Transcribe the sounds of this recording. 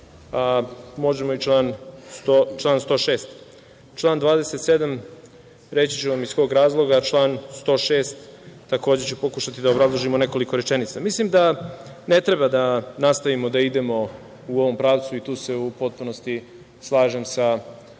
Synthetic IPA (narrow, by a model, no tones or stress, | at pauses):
amo̞ʒe̞moit͡ʃlaːnst̪ot͡ʃlˠaːnst̪o̞ːʃe̞ːst̪ | t͡ʃlˠaːnd̪ʋaːd̪e̞set̪se̞d̪am | ɾe̞t͡ɕi̥t͡ɕeʋamizsko̞ːɡɾaːzlˠo̞ɡat͡ʃlˠaːnst̪o̞ːʃe̞ːst̪ː | ako̞ːd͡ʑet͡ɕepo̞kuʃat̪id̪aobɾazlˠoʒimone̞ko̞liko̞ɾet͡ʃe̞nit̪samislimd̪a | ne̞t̪ɾebad̪anast̪aʋimo̞d̪aid̪e̞mo̞ | uo̞ʋo̞mpɾaːʋt̪suit̪uːse̞upo̞t̪̚puno̞st̪i | slˠaːʒe̞msa